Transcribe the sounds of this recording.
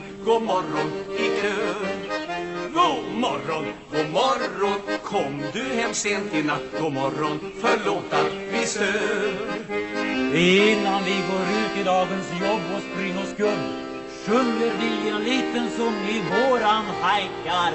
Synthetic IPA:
ɡ̥oːmɔɾɔnɪkʰøː | ɡoːmɔɾɔnɡoːmɔɾɔnkʰɔmd̪ɵhɛmseːnt̪ʰɪnat̪ɡ̥oːmɔɾɔn | fœɭoːt̪avɪst̪øː | ɪnːanvɪɡoːɾʉ̟ːt̪ɪd̪ɑːɡənsjɔbːɔspɾɪŋːəskɵlː | ʂɵnəɾvɪɛnliːt̪ənsɔmɪvoːɾanhajkaɾ

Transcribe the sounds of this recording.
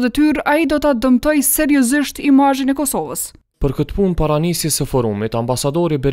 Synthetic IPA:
d̪ɛt̪yɾaid̪ɔt̪ad̪əmt̪ɔjsɛɾjɔziʃt̪imaʒinɛkɔsɔvəs | pəɾkət̪əpunpaɾanisjɛsəfɔɾumit̪ambasad̪ɔɾibɛɾ

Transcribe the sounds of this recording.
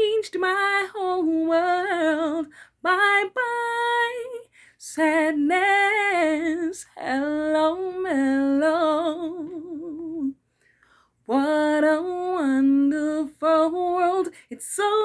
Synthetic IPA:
ɪ̃nd͡ʒd̚maɪhoʊlˠwɜllˠd̚baɪbaɪ | sædⁿnɨ | sɨllõʊnəloʊ | wʌɾoʌnðəfəwɜlˠdɨtsoʊ

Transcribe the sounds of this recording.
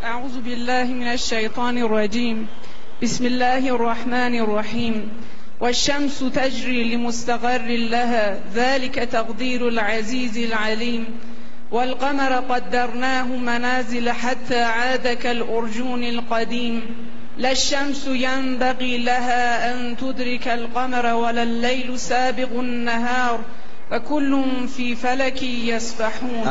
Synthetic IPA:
ʔaʕuːðʊbɪlːaːhɪmɪnaʃːajt̪ˤɑːnɪrˤːɑd͡ʒiːm | bɪsmɪlːaːhɪʔɑrˤːɑħmaːnɑrˤːɑħiːm | waʃːamsʊt̪ad͡ʒɾiːlɪmʊst̪aqɑrːɪlaɦaː | ðaːlɪkat̪ɑqd̪iːɾʊlʕaziːzɪlʕaliːm | walqɑmɑɾˤqɑd̪ːɑɾˤnaːɦʊmanaːzɪlaħat̪ːaːʕaːd̪akalʔʊɾˤd͡ʒuːnalqɑd̪iːm | laʃːamsjambaɣiːlaɦaːʔant̪ʊd̪ɾɪkalqɑmɑɾˤwalalːajlʊsaːbɪqʊanːaɦɑːɾˤ | fakʊlːʊn | fiːfalakɪjasbaħuːn

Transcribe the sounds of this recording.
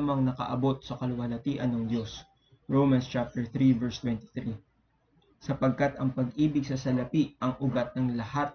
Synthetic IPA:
mɐŋnɐkɐ̰ʔɐbo̞t̪̚sɐkɐlʊwɐlɐt̪iːʔɐnːɐŋd̪jo̞s | ɹowmɐnst͡ʃap̚t̪ɛɹθɾivɛɹst̪wɛnt̪i̥θɾi | sɐpɐɡ̚kat̪ɐŋpɐɡʔiːbɪɡ̚sɐsɐlɐpiʔɐŋʔʊɡat̪̚nɐŋlɐhat̪̚

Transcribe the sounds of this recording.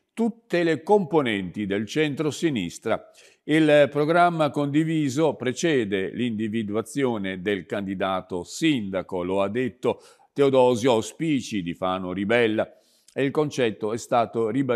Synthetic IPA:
t̪ut̪ːelekomponɛnt̪id̪elt͡ʃɛnt̪ɾosinḭst̪ɾa̰ | ilpɾoɡɾamːakond̪iviːzopɾet͡ʃɛːd̪elind̪ivid̪uat̪sːjoːned̪elkand̪id̪aːt̪osind̪akoload̪ːet̪ːo | t̪eod̪ɔːzjospiːt͡ʃid̪ifaːnoɾibɛlːa | eilkont͡ʃɛt̪ːoɛst̪aːt̪oriba

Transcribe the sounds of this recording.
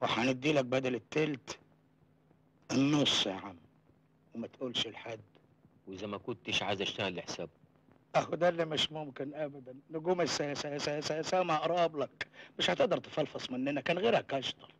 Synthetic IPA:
wɪħanɪd̪ːiːlak̚bæd̪alɪt̪ːɪlt̪ | ʔɪnːʊsˤaʕam | wɪmat̪ʔuːlʃɪlħad̪ː | wɪzamːakʊnt̪ːiʃʕazaʃt̪aɣalːɪħsaːb̚ | ʔahʊd̪ælːimɪʃmʊmkɪnʔabad̪anːɪɡuːmɪsajsasasajsaːmaʔɾˤɑːblakmɪʃhat̪ɪʔd̪ɑɾˤt̪ɪ̥fɑlfɑsˤmɪnːɪnakæːnɣeːɾhakɑʃt̪ˤɑl

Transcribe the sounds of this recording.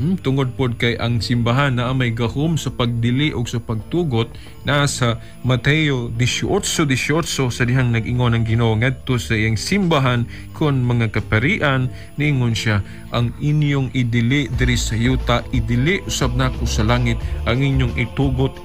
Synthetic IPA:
m̩t̪ʊŋod̪̚pod̪̚kɐjʔɐŋsɪmbaɦanːɐʔamɐjɡɐhomsɐpɐɡ̚d̪ɪliʔoɡsɐpɐɡ̚t̪uːɡot̪̚ | nasɐ | mɐt̪ɛjod̪ɪʃʔot̪sod̪ɪʃot̪sosɐd̪ɪɦaŋnɐɡʔɪŋo̞nɐŋɡɪnoŋɐd̪̚t̪osɐʔɪjaŋsɪmbaɦan | kʰʊnmɐŋakɐpɐɾiːʔɐnː | ɪʔɪŋonʃa | ʔɐŋʔɪnjoŋʔɪd̪ɪlid̪ɪɾɪsɐjuːt̪ɐʔɪd̪ɪliʔʊsab̚nakosɐlaːŋɪt̪̚ʔɐŋʔɪɲjoŋʔɪt̪uːɡot̪̚

